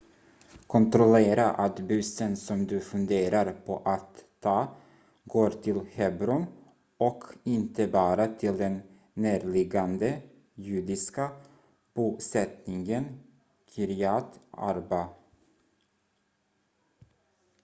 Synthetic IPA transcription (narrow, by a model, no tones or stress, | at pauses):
kʰɔnt̪ɾɔleːɾaʔat̪bʉsənsɔmd̪ɵfɵnd̪eːɾaɾpʰɔ̰ʔat̪ʰːɑː | ɡoːɾt̪ʰɪlhɛbɾʊn | ɔkʰɪnt̪əbɑːɾat̪ʰɪld̪ɛnː | æːɾɭɪɡand̪ə | jʉ̟ːd̪ɪska | b̥uːsɛt̪nɪŋən | kʰɪɾɪɑːt̪a̰ɾba